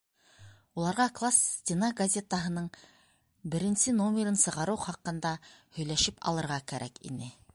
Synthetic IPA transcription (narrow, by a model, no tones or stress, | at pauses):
ulˠɑɾʁɑklˠassʲt̪ʲɪnaɡɐzʲet̪əɦɤ̆nɤɴ | bɘ̆ɾɘ̆nsɘnomʲeɾɤnsɤ̆ʁɑɾɤwχɑqɤ̆nd̪ɑhɵ̆jlæʃɘpʰɑ̰lˠɤ̆ɾʁɑkæɾʔækḭnɘ